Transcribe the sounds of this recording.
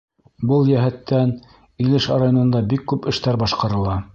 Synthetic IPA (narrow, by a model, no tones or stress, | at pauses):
bɤlˠjæɦæt̪ːæn | ilɘʃɑ̰ɾajonɤ̆nd̪ɑbikːʉpɘ̆ʃt̪æɾbɑʃqɑɾɤ̆lˠɑ